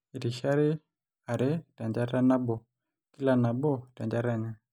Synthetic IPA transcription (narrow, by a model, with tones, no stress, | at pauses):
i˨ɾi˨ʃa˦ɾi˦ | a˨ɾɛ˦ta˨ɲd͡ʒa˦ɾa˦na˦bɔ˨ | ki˦la˦na˨bɔ˦˨ta˨ɲd͡ʒa˦ɾa˦ɲa˦˨